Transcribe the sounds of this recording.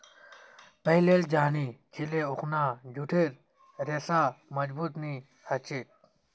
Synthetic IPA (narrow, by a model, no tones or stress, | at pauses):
pɐɦileːld͡ʑaːniːt͡ʃʰileuxnaːd͡ʑʱuʈʰeːɾ | ɾeːsaːmɐd͡ʑbuːt̪niː | hɐt͡ɕit̪̚